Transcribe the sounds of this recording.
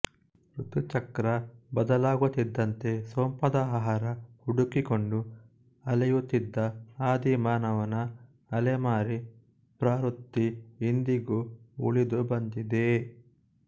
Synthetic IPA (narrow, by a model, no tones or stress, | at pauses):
ɾut̪ut͡ʃɐkɾɐbɐd̪ɐlaːɡut̪ːid̪ːɐnt̪e̞soːmpɐd̪ɐaːɦaːɾɐhuɽukikoɳɖu | ɐlɐjut̪ːid̪ːɐaːd̪imaːnɐʋɐnɐ | ɐlemaːɾi | pɾaːɾut̪ːiind̪iɡuṵɭid̪ubɐnd̪id̪e